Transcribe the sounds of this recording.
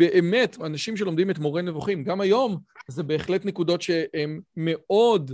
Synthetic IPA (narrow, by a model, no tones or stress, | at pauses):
beʔeme̞tanaʃimʃ̬elo̞md̪ime̞tmo̞ʁenevuχimɡamajo̞mzebe̞ːχle̞tnekudo̞tʃe̞emːe̞o̞d